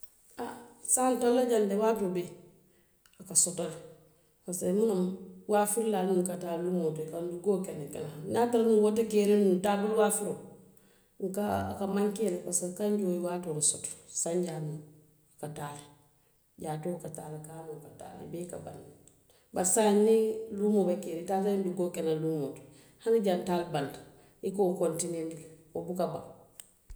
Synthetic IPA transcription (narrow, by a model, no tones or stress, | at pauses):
asantolːad͡ʒandewatobe | akasotaɾ | kasamunomwafiɾlanukataɾlumotekanduɡokenikenanataɾnuwot̬ikeɾenuntabolwafiɾo | ŋkakamaŋkeɾebasakaɲd͡ʒoːjiwatonsoto̥saɲɟanu | kataɾ | ɟatokataɾekanokata̰ːɾa̰beka̰ba̰n | basaɲːilumobakeɾitasanduɡoːkenalumot | hanaɟantalband | ikokontinentobukaba̰ŋ